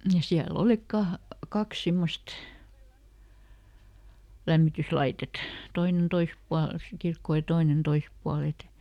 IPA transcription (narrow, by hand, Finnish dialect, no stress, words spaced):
jɑ siæl olik kɑh kɑks simːost læmːityslɑitet toinen tois puɑl si kirkːoˑ jɑ toinen tois puɑl et